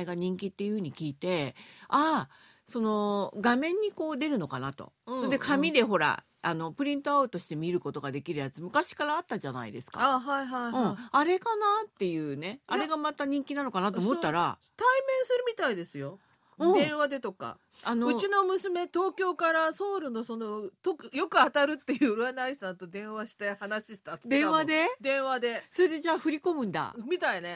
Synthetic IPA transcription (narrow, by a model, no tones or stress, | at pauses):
eɡaɲ̟ĩŋkʲit̪ːejɯ̟hɯ̟ɲ̟ikʲiːt̪e̞a | so̞no̞ɡamẽ̞ɲ̟ːiko̞ːd̪e̞ɾɯ̟no̞kanat̪o̞̰ | d̪ekʰamʲid̪e̞ɦo̞ɾa̰ | ano̞pɯ̟ɾʲĩnt̪o̞aɯ̟t̪o̞ɕi̥t̪e̞mʲiɾɯ̟ko̞t̪o̞ɡad̪e̞kʲiɾɯ̟jat͡sɨmɯ̟kaɕi̥kaɾaːt̪ːaʑana̰ḭd̪e̞sɨ̥ka̰aɦaiɦaɯ̃aɾe̞kanat̪ːe̞jɯ̟ːne̞aɾe̞ɡamat̪aɲ̟ĩŋkʲinano̞kanat̪omot̪ːaɾa | t̪aimẽ̞ɰ̃sɨɾɯ̟mʲit̪aid̪e̞sɨjo̞ | ɯ̃ːd̪ẽ̞ɰ̃βad̪e̞t̪o̞ka̰ | anoɯ̟t͡ɕino̞mɯ̟sɨme̞t̪o̞ːkʲo̞ːkaɾaso̞ːɾɯ̟no̞so̞no̞t̪okjo̞kɯ̟at̪aɾɯ̟t̪ːe̞jɯ̟ɾɯanaisãnt̪od̪ẽ̞ɰ̃βaɕi̥t̪ehanaɕiɕi̥t̪at̪d̪ẽ̞ɰ̃βad̪e̞d̪ẽ̞ɰ̃βad̪e̞so̞ɾed̪e̞d͡ʑaːɸɯ̟ɾʲiko̞mɯ̟̃nd̪a̰mʲit̪aine̞